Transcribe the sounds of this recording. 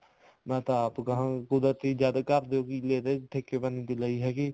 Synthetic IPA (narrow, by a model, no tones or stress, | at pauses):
mɛ̃ːt̪ãaːpkəɦãːkʊd̪ɾət̪iːd͡ʒaːd̪kəɾd̪eːoːkɪleːd̪eːʈ̪ʰeːkeːbənĩːt̪iləiːɦɛːkɪ